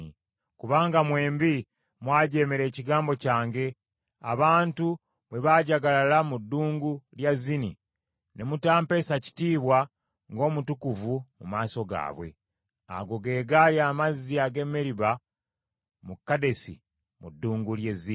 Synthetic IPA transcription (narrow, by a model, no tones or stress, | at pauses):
kuβaːŋɡamwe̞ːmbi | mwaːɟe̞ːmeɾe̞ːciɡaːmbo̞caːŋɡe̞ | aβaːntu | βwe̞βaɟaɡalalamudːuːŋɡuljazinḭ | nemutaːmpe̞saci̥tiːβwa | ŋɡo̞ːmutukuvumumaːso̞ɡa̰ːβwe̞̰ | a̰ɡo̞ɡe̞ːɡaliaːmaziaɡe̞mːe̞ɾiβa | mukːade̞sḭ | mudːuːŋɡuljezi